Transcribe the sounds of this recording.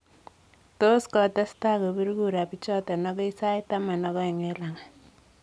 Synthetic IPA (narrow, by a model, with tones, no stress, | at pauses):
to˦skɔ˨tɛ˦sta˦˨ko˨bi˦ɾku˦˨ɾa˨pi˦t͡ʃɔ˦tɛ˨nɔ˦kɔ˦i˦sa˦i˦ta˦ma˨nɔ˦ɡɔ˦i˨ŋɛ˦la˨ŋa˨